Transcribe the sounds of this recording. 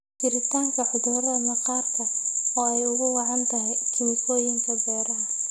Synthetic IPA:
kɪɾɪt̪ʰaːŋkʰɐħʊduːɾɐnɐqɑːrk̪ʰɐɑːɛjʊɣʊwɑʕɑnt̪ʰɐɦɛjkʰɪnɪkʰɔːjɪŋkʰɐbɛːɾɐɐ

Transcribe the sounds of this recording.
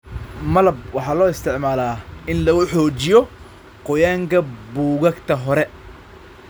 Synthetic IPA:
mɐlɐb̚wɑħɑːlɔːɪst̪ʰɪʕmaːlaːɪnlɐɣʊħɔːt͡ʃɪjɔ | qɔjaːŋkʰɐbuːɣɐɡt̪ʰɐɦɔɾɛ

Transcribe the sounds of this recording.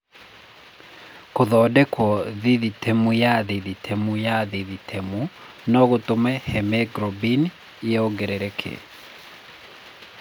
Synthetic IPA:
koðɔdɛkwɔðiðitʰɛmujaðiðitʰɛmujaðiðitʰɛmu | nɔɣotomɛhɛmɛɡɾɔbin | ɛoɡɛɾeɾɛkʰḛ

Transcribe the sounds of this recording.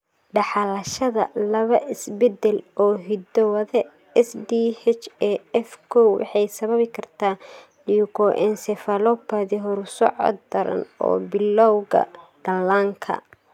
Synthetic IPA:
ɖɑħɑlɐʃɐðɐlɐβɐʔɪsbɛd̪ɛlɔːɦɪd̪ɔwɐðɛ | ɛsd̪ihɛt͡ʃɛɛfkʰɔwɑ̰ħɑjsɐβɐβɪkʰɐrt̪ʰaː | diukʰɔʔɛnsɛfɐlɔpɐðiɦɔɾʊsɔ̰ʕɔ̰d̪̚d̪ɐɾɐ̰nɔ̰ːbɪlɔwɣɐ̰d̪̥ɐlːaːŋkʰɐ̰

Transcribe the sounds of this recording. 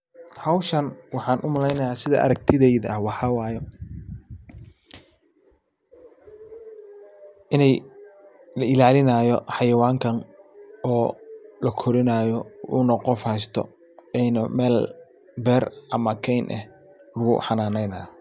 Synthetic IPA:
hɐwʃɐnwɑħɑːnʔʊmɐlɛjnɐjaːsɪðɐʔɐ̰ɾɐk̚t̪ʰɪðɛjðɐɐhwɑħɑwɑːjɛ | ʔɪnɛj | lɐɪlaːlɪnaːjɔ̰ħɑjɐwaːŋkʰɐnɔːlɐkʰɔɾɪnaːjɔʊ̰nɐqɔfhɛst̪ʰɔ̰ | ɛnɐmɛːl | bɛːrʔɐmɐkʰɛjnʔɛ̰h | lʊɣʊ̰ħɑnaːnɛjna̰ː

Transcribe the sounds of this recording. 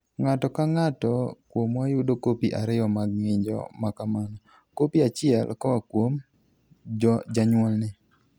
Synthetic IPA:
ŋatɔkaŋatɔkwomwajʊdokopiʔaɾɪɔmaɡ̚ŋɪd͡ʒɔ̰makamanɔ | kopiat͡ʃɪɛlkɔwakwom | d͡ʒɔd͡ʒaɲwɔlnɪ

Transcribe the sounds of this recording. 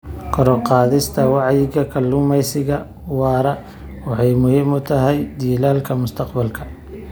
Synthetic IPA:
kʰɔɾɔqɑːðɪst̪ʰɐwɑʕjɪɣɐkʰɐlːʊmɛjsɪɣɐ | wɑːɾɐ | wɑħɑjmʊhɪmʊt̪ʰɐɦɛjd̪iːlaːlkʰɐmʊst̪ʰɐqbɐlkʰɐ̥

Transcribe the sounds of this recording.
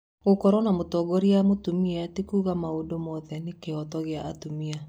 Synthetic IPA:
ɣokɔɾɔnamotɔɡɔɾiamotumiɛatekuːɣamaodomɔðɛnekeɔtɔɣeaʔːtomia

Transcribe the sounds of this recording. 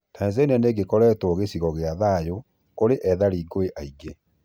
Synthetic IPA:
tainzɛinɛneɡekɔɾɛtoɣesiɣɔɣeaðaːjo | koɾeʔɛðaɾiːɡoeʔaiɡe

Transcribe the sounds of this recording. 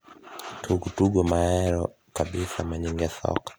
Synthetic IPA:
tʰuɡutuɡɔmaɛɾɔ | kaɓisamaɲiŋɡɛsɔ̰kḁ

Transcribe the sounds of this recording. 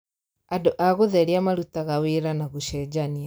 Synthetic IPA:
adoʔaɣoðɛɾeamaɾutaɣaweɾanaɣoʃɛd͡ʑania

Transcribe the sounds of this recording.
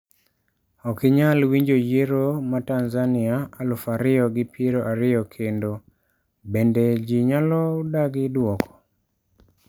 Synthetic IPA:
ɔkɪɲalwiɲd͡ʒojeɾomatanzanɪaalʊfaɾɪjɔɡɪpʰeɾoʔaɾɪjɔkʰendo | bended͡ʒiɲalɔdaɡɪdwɔkɔ̥

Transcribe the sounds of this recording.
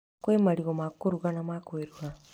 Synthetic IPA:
kuemaɾiɡomakuɾuɡanamakoiɾuɡa

